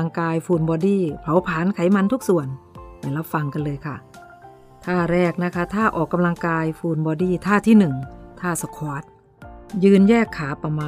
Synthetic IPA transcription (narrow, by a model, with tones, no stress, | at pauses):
a˧ŋkaː˧jfuː˨˩nbɔː˧diː˧˥˩pʰa˨˩˦wpʰaː˩˦nkʰa˨˩˦jma˧nt̪ʰu˦˥k̚su˨˩ənba˨˩la˦˥p̚fa˧ŋka˧nlɤː˧jkʰa˥˩ | t̪ʰaː˥˩ɾɛː˥˩k̚na˦˥kʰa˦˥t̪ʰaː˥˩ʔɔː˨˩kːa˧mla˧ŋkaː˧jfuː˨˩nbɔː˧diː˥˩t̪ʰaː˥˩t̪ʰiː˥˩nɯ˨˩ŋt̪ʰaː˥˩sa˧kʰaː˦˥˩t̪̚ | jɯː˧njɛː˥˩kʰːaː˩˦pa˧maː˧